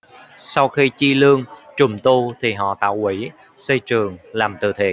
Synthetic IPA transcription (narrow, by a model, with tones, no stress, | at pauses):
sa˧wxi˧t͡ɕi˧lɨ˧əŋt͡ɕʊ˨˩ŋ͡mt̪u˧t̪ʰi˨˩ɦɔ̰˧˨t̪a̰ː˧˨wʔi˧˩˦ | sə˧jt͡ɕɨ˨˩əŋlaː˨˩mt̪ɨ̰˧˩t̪ʰḛ˨˩